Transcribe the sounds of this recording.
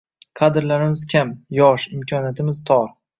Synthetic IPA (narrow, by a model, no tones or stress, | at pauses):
kʰad̪ɪɾlaɾɪmɪzkʲʰamjɒʃɪmkʲʰɒnjat̪ʰɪmɪzt̪ʰɒɾ